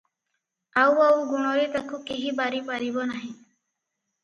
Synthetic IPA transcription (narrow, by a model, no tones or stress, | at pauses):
awawɡuɽ̃ɔɾit̪akʰũkiɦibaɾipaɾibɔnaɦĩ